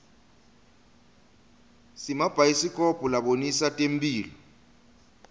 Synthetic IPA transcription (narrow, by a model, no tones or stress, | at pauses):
simab̥ʱaisikʼɔpʼɔlaɓonisatʼem̩bʼiːlɔ